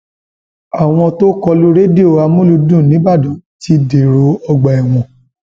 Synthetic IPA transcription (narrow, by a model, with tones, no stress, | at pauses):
a˨w̃ɔ̃˧to˦kɔ˧lu˦ɾe˦di˦o˦˨a˧mũ˦lu˧dũ˦˨nĩ˨˦ba˦˨dũ˨˦ti˧de˨ɾo˨˧˦ɔ˧ɡ͡ba˨ɛ˨w̃ɔ̃˨